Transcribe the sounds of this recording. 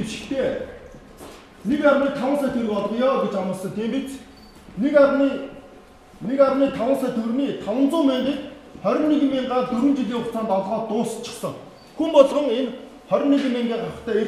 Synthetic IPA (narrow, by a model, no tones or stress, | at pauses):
eʃɪ̥̆xt̪ʰeː | nekarmiːk̚t̪ʰawə̆nsæːt̪ʰeɾɘ̆kɔɮɞ̆qjɔːɡet͡ɕamə̆ɮsɞ̆ŋt̪ʰeːmpet͡s | nekai | nekaɾmiːt̪ʰawə̆nsæːt̪ʰɵrniːt̪ʰɔwə̆nt͡sʊːment̪eːk̪χœɾʲɪ̆nːiɣɘ̆mːeɴɢaːt̪ɵɾɘ̆nt͡ɕiɮiːŋʊχt͡saːnt̪ɔɮʁɔːt̪ʊːst͡ɕʰːɪ̥̆χsə̆ŋ | xumpɔɮʁɞ̆ŋen | χœɾʲɪ̆nːiɣɘ̆mːeŋɡeːχaə̆χt̪ʰæːe